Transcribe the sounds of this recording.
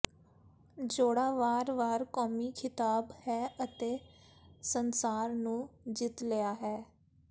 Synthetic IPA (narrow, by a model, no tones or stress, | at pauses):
d͡ʒoːɽaːʋaːɾʋaːɾkɔːmiːkʰɪt̪aːbhɛːʔət̪eːsənsaːɾnũːd͡ʒɪt̪lɪjaːɦɛː